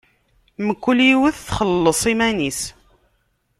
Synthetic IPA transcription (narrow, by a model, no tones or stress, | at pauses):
məkʷːuliwəθθχəlːəsˤimænis